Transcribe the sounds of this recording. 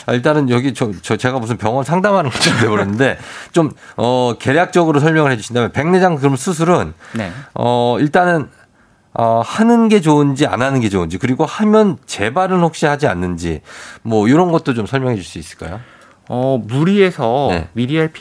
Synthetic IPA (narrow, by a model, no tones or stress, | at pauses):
a̰iɭt͈anɯnjʌɡit͡ɕʌt͡ɕʌt͡ɕe̞ɡamusʰɯnpjʌŋʌnsʰaŋdamɦanɯnɡʌ̥t͡ɕ͈ʌeboɾenːɯnde̞t͡ɕomʌke̞ɾjak̚t͡ɕ͈ʌɡɯɾosʰʌɭmjʌŋɯɭhɦe̞d͡ʑuɕʰindamjʌnpe̞ŋne̞d͡ʑaŋkɯɾʌmsʰus̬ʰuɾɯnneʌiɭt͈anɯn | ʌhanɯnɡe̞t͡ɕound͡ʑia̰nanɯnɡe̞t͡ɕound͡ʑikɯɾiɡohamjʌnt͡ɕe̞baɾɯnɸok̚ɕ͈ihad͡ʑia̰nːɯnd͡ʑḭmwʌjoɾʌnɡʌt̚t͈ot͡ɕomsʰʌɭmjʌŋɦe̞d͡ʑuɭs͈uis͈ɯ̥ɭk͈a̰jo | ʌmuɾie̞sʰʌne̞̰miɾiaɭpʰ